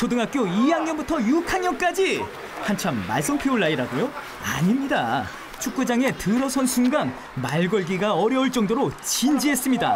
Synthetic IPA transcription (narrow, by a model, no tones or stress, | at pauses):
t͡ɕʰodɯŋɦak͈joijaŋɲʌnbutʰʌjukʰanɲʌnk͈ad͡ʑi | hant͡ɕʰamːa̰ɭs͈ʌnpʰeuɭːaiɾadojo | a̰ɲimɲida | t͡ɕʰuk̚k͈ud͡ʑaŋe̞tɯɾʌsʰʌnsʰunɡaŋ | maɭɡʌɭɡiɡaʌɾjʌuɭt͡ɕ͈ʌŋdoɾot͡ɕind͡ʑiɦe̞s͈ɯmɲida̰